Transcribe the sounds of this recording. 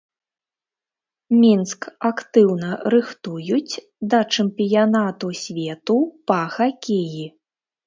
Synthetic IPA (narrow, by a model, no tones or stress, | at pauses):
mʲinskakt̪ɨwnɐɾɨxt̪ujut͡sʲ | d̪ɐt͡ʂɨmpʲijanat̪usʲvʲɛt̪upɐxakʲeji